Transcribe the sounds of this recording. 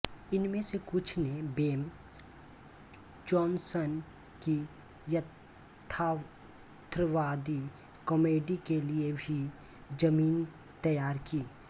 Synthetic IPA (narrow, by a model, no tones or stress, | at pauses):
ɪnmẽsekʊt͡ʃʰnebeːm | d͡ʒɔːnsən | ki | jət̪ʰ | a | t̪ɾəʋaːd̪i | kɔmeːɖikeliebʱi | d͡ʒɐmiːn | t̪ɐjaːɾkiː